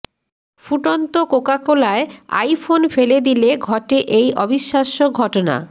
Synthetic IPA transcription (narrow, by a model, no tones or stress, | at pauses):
fuʈont̪okokakolaea̰jfonfeled̪ileɡʱɔʈeʔejʔɔbiʃːaʃoɡʱɔʈona̰